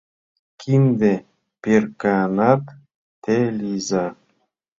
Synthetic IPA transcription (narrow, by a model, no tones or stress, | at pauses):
kʲʰind̪e | pʲerkanat̪ | t̪elʲiza